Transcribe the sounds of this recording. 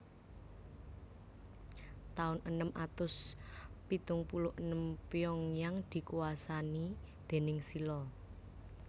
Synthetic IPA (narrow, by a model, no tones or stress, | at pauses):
t̪aʊnʔənəmʔat̪ʊspit̪ʊŋpulʊhənəmpiɔŋjaŋd̪̥i̤kuasani | d̪̥e̤nɪŋsilɔ